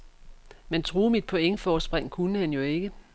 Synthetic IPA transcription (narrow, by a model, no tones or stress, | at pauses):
ment͡sʰʁuːmid̥̚pʰo̽eŋəfɒːsb̥ʁeŋ̰kʰunəhænjo̝e̝ɡ̥ə